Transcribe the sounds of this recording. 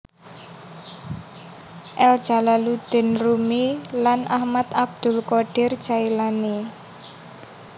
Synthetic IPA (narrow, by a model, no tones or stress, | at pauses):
ʔɛld̥ʒ̥a̤lalud̪̥ɛ̤nrumilanʔahmat̪ab̚d̪̥ʊ̤lkoɖ̥ɪr̥d͡ʒ̥ailane